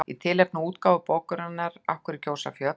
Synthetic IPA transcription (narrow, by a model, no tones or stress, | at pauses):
ḭt̪ʰɪːlɛpnʏuːt̪kaːvʏpoːwkʏɾanːaɾa̰fkʏɾɪcoːwsa̰fjœt̪